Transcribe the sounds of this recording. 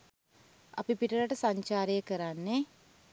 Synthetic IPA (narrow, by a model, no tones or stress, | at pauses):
ɐ̰pipiʈəlaʈəsaɲt͡ʃaːɾəjəkəɾanːe